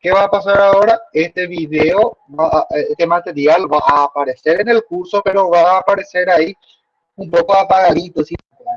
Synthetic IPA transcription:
ke̞βaːpasaɾao̞ɾae̞st̪e̞βiðeoβaʔet̪emat̪e̞ɾjalβaʔaːpaɾe̞se̞ɾene̞lkuɾso̞pe̞ɾo̞βaːpaɾe̞se̞ɾai | ũmpo̞koapaɣaðit̪osi

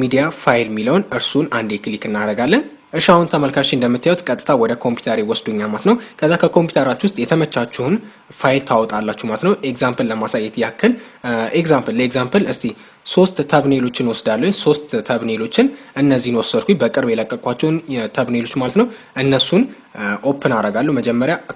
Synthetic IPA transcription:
mid̪ijafajɪlmiləwnʔɨɾsunand̪ekʰlikɨnːaɾəɡalːən | ʔɨʃawɔnt̪ʰəməlkʰat͡ʃːɪnd̪əmːɨt̪ːajawut̪kʼət̪ʼːɨ̥t̪ʰawɔd̪əkʰo̞mpʰju̥t̪ʰəɾewɔsd̪oɲːamat̪nəwkʰəzːakʰəkʰo̞mpju̥t̪ʰəɾat͡ʃːwʊst̪ʼjɛt̪ʰəmət͡ʃːat͡ʃːuhn | fajlt̪ʰawɔt̪ʼalːat͡ʃːumalət̪nəwekzampəlləmasajːɛt̪jakʰːəl | ekzampʰəllekzampʰəlɨst̪ʰi | so̞st̪ːʰəβnelo̞t͡ʃːɪnwɔsd̪alːəɲso̞st̪ːʰəβne̞lo̞t͡ʃːɪnʔɨnːəzːihnwɔsəd̪kʷʰubəkʼɨɾbjɛləkʼːəkʼʷat͡ʃːɛwnt̪ʰəβne̞lo̞t͡ʃːmalət̪nəwʔɨnːəsun | ʔo̞pʰːɨnaɾəɡalːuməd͡ʒɛmːəɾja

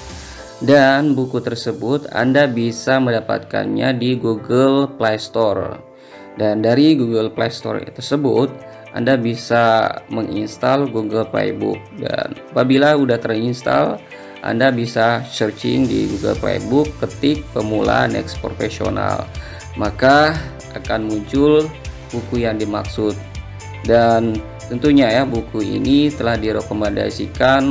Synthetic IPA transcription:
danbukut̪ərsəbʊt̪a̰ndabisaməndapa̰t̪̚ka̰nɲadiɡuɡəlplajst̪ɔr | dandaɾiɡuɡəlplast̪ɔ̰rt̪ərsəbʊt̪̚ | ʔandabisaməŋinst̪alɡuɡəlpla̰jbʊ̰k̚da̰napabilaudaht̪ərinst̪a̰l | ʔa̰ndabisat͡ʃərt͡ʃɪ̰ŋdḭɡuɡə̰lpla̰jbʊkːət̪ɪk̚pəmula̰nɛ̰kspɾofesio̰na̰l | maka | akanmuɲt͡ʃʊl | bukujaŋdimaksʊt̪̚ | dan | t̪ənt̪uɲajabukuḭnit̪əlahdiɾokomanda̰sikan

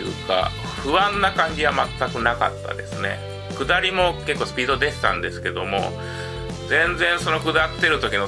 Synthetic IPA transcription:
ɯ̟̰ːka̰ | ɸɯ̟βãnːakãɲ̟d͡ʑiβamat̪ːakɯ̟naka̰t̪ːa̰d̪e̞̰sɨne̞̰ | kɯ̟d̪aɾʲimo̞ke̞kːoːsɨ̥pʲiːd̪o̞d̪eɕi̥t̪ã̰nd̪e̞sɨ̥ke̞d̪o̞mo̞̰ | zẽ̞nd͡zẽ̞ɰ̃so̞no̞kɯ̟d̪at̪ːe̞ɾɯ̟t̪o̞kʲino̞

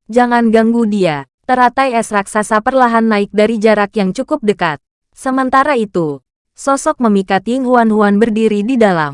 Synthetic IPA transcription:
d͡ʒaŋanɡaŋɡudia | t̪əɾat̪ajɛsɾaksasapərlaɦanːaɪk̚daɾid͡ʒaɾakjaŋt͡ʃukʊp̚dəkat̪̚ | səmənt̪aɾait̪u | sɔsɔk̚məmikat̪iŋɦuanɦuanbərdiɾididala̰m

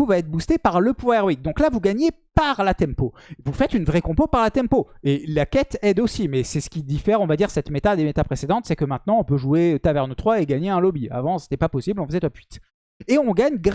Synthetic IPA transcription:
uvaɛt̪χbust̪epaʁləpɛʁwik̚d̪ɔ̃klavuɡaɲepaʁlat̪ɛ̃mpovufɛt̪ynvʁɛkɔ̃popaʁlat̪ɛ̃mpoelakʲɛt̪ɛd̪osimɛsɛsə̥kʲid̪ifɛʁɔ̃vad̪iʁsɛt̪met̪ad̪emet̪apχesed̪ɑ̃t̪sɛkəmɛ̃t̪nɑ̃ɔ̃pøʒuet̪avɛʁnət̪χwaeɡaɲeɛ̃lɔbia̰vɑ̃se̥t̪ɛpapɔsiblɔ̃fəzɛt̪wapɥit̪ | eɔ̃ɡaɲɡʁ

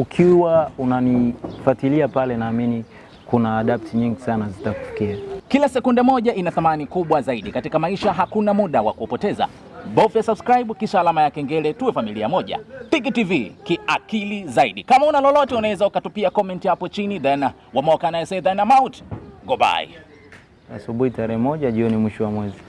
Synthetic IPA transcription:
ukʰiwaunanifatiliapalɛnaːmini | kunaːɗap̚tʰiɲiŋɡisanazitaku̥fi̥kiakilasɛkundɛmɔʄaʔinaθamanikuɓwazaiɗikatikamaiʃaɦakunamuɗawa̰kuɔpɔtɛza̰ | bɔfjasabskɾajɓkiʃaːlamajakɛŋɡɛlɛtuwɛfamilia̰mɔʄa̰pikitivikiʔakilizaiɗikamaunalɔlɔtɛunawɛzaukatupiakɔmɛntihapɔt͡ʃiniðana | wamɔkanaɛsɛðanamawuntɡɔba̰ḭ | asuɓuitaɾɛhɛmɔʄaʄiɔnimwiʃɔwamwɛzi

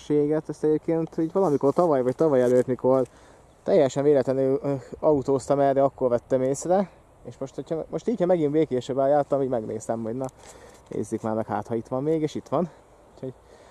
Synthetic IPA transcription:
ʃeːɡɛt̪ɛst̪ɛɟeːp̚keːnt̪iːɟʋvɒlɒmikort̪ɒvɒjvɒc̚t̪ɒvɒjɛløːt̪miko̞r | t̪ɛjːɛʃɛnveːlɛt̪ɛnøɒut̪oːst̪ɒmɛrːɛɒkːorvɛt̪ːɛmeːsrɛ | eːʃmo̞ʃt̪hocʰhɒmo̞ʃt̪iːchɒmɛɡinbeːkeːʃebaːjaːrt̪ɒmuːɟmɛɡnʔḛːst̪ɛmɦoɟnɒnḛːzːykmaːnɒkɦa̰ːt̪hɒit̪ʋɒmːeːɡeːʃit̪ʋɒn | ucho̞ɟ

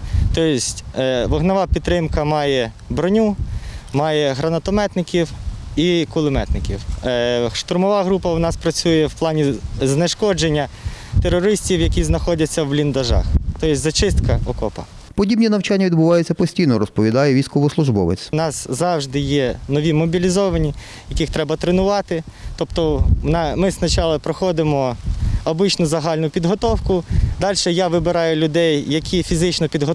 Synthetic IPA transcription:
t̪ɔjɪsʲtʲʋɔɦnɐʋɑpʲid̪t̪ːɾɪmkɐmɑjɛ | bɾɔnʲumɑjɛɦɾɐnɐt̪ɔmɛt̪nɪkʲiwikʊlˠɪmɛt̪nɪkʲḭw | ʃt̪ʊrmɔʋɑɦɾupɐwnɑspɾɐt͡sʲujɛwplˠɑnʲiznɪʃkɔd͡ʒenʲːɐ | t̪eɾɔɾɪsʲtʲiwjɐkʲiznɐxɔdʲɐt͡sʲːɐwlʲind̪ɐʒɑ̰xt̪ɔjɪsʲzɐt͡ʃɪst̪kɐɔkɔpɐ̰ | pɔdʲibnʲinɐwt͡ʃanʲːɐʋʲid̪bʊʋɑjʊt͡sʲːɐpɔsʲtʲijnɔɾɔspɔʋʲid̪ɑjɛʋʲijsʲkɔʋɔslˠʊʒbɔ̰ʋḛt͡sʲnɑszɑwʒd̪ɪjɛnɔʋʲimɔbʲilʲizɔʋɐnʲi | jɐkɪxt̪ɾɛbɐt̪ɾenʊʋɑt̪ɪt̪ɔpt̪ɔnɑmɪznɐt͡ʃɑlˠɐpɾɔxɔd̪ɪmɔɔbɪt͡ʃnʊzɐɦɑlʲnʊpʲid̪ɦɔt̪ɔwkʊd̪ɑlʲʃɛjaʋɪbɪɾɑjʊlʲʊd̪ɛjːɐkʲʰifʲizɪt͡ʃnɔpʲid̪ɦɔ

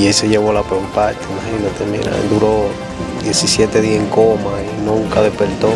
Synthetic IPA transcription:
ieseʝeβolapempat̪emahinot̪emḛna̰d̪uɾo | d̪je̞sisjet̪eðiaeŋkomainũuŋkaðepeɾt̪o

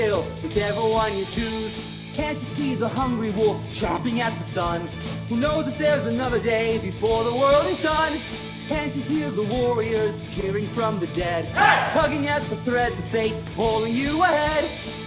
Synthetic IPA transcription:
ɪlˠ | ɨfɛvə˞wʌ̃njə˞tʰʉz̥ | kʰæ̃nt͡ʃɨsiðəhʌ̃ŋɡɹiwɔf̚t͡ʃʰɑpɪ̃ŋɨt̪̚ðəsʌ̃n | hunoʊzðɨt̪̚ðə˞zɨnʌðə˞deɪbɨfɔɹðəwɜ˞lˠdɨdʌ̃n | kʰæ̃nt͡ʃɨhiɹðəwɔɹiə˞z̥kʰɪɹɪ̃ŋfɹʌ̃mðɨdɛd̥̚tʰʌɡɪ̃ŋɨt̪̚ðəθɹɛd̪̚ðɨfeɪt̚pʰɔlˠɪ̃ŋjɨəhɛd̥

